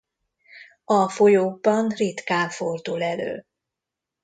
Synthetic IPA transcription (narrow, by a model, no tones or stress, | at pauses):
ɒfo̞joːɡ̚bɒnrit̪kaːfo̞rd̪uːlɛlø̰ː